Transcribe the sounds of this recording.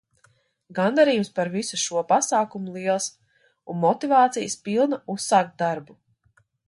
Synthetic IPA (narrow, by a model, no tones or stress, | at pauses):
ɡand̪aɾijumspaɾvisuʃuɔpasaːkumulˠiɛlˠs | unmɔt̪ivaːt̪sijəspilˠnausːaːkt̪̚d̪aɾbu